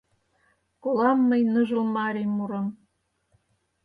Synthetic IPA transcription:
kolɑmːəjnəʒə̆lmɑɾemuɾɤ̆m

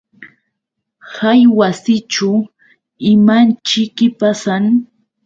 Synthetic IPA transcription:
hajwasɪt͡ʃʊ | ɪmant͡ʃɪkɪpasaŋ

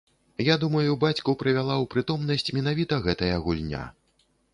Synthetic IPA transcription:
jad̪umɐjubat͡sʲkupɾɨvʲalˠawpɾɨt̪ɔmnɐsʲt͡sʲmʲɛn̪avʲit̪ɐɣɛt̪ɐjɐɣulʲnʲa̰

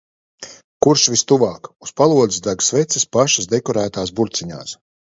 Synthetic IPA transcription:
kuɾʃvʲist̪uvaːkuspalˠuɔd̪zisd̪aɡsvɛt̪sispaʃasd̪ekɔɾæːt̪aːsbuɾt̪siɲa̰ːs

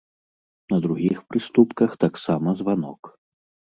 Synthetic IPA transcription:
nɐd̪ɾuɣʲixpɾɨst̪upkɐxt̪aksamɐzvanɔk

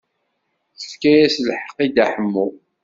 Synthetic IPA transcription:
θə̥fkæjæslħə̥qːid̪æħəmːu

